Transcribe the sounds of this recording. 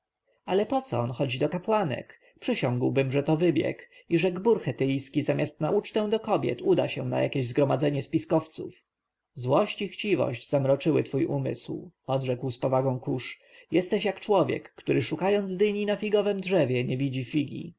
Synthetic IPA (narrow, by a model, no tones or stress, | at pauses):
alɛpɔt̪sɔ̰ɔnxɔd͡ʑid̪ɔkapwanɛ̰k | pʂɘɕɔ̃ŋɡwbɘmʐɛt̪ɔvɘbʲjɛ̰k | iʐɛɡbuɾxɛt̪ɛjskʲizamʲast̪naut͡ʂt̪ɛw̃d̪ɔkɔbʲjɛ̰t̪ud̪a̰ɕɛna̰ja̰kʲeʑzɡɾɔmad̪zɛɲɛspʲiskɔft̪sṵf | zwɔɕt͡ɕixt͡ɕivɔ̰ɕd͡ʑz̥amɾɔt͡ʂɘwɘt̪fujʔumɘ̰swɔd̪ʐɛkwspɔvaɡɔ̃w̃kuʂ | jɛst̪ɛɕjakt͡ʂwɔvʲjɛ̰kːt̪uɾɘʂukajɔnd̪zd̪ɘɲinafʲiɡɔvɛmdʐɛvʲjɛɲɛvʲid͡ʑifʲiɡʲḭ